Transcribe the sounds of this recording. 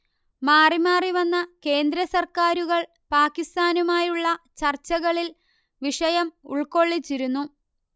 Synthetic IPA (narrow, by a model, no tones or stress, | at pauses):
maːrimaːriʋɐnːɐke̞ːnd̪ɾɐsɐrkaːɾuɣɐɭ | paːkːist̪aːnumaːjuɭːɐt͡ɕɐrt͡ɕːɐɣɐɭil | ʋiʂɐjɐmṵɭko̞ɭːit͡ɕːiɾunːu